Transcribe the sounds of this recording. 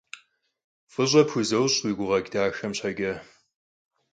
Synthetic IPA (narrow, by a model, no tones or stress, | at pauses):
fɨɕʷʼɐpʰuzɐwɕʼwiɡʷʊʁɐɡʲdaːʃɐmɕʰaɡʲɪ